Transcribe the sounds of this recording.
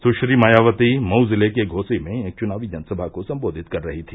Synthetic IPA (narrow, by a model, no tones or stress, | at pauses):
sʊʃɾimajaːʋət̪imɐwzɪlekeɡʱoːsemẽeːk̚t͡ʃʊnaːʋid͡ʒɐnəsəbʱakosɐ̃mboːd̪ʱɪt̪kɐɾːɐɦit̪ʰiː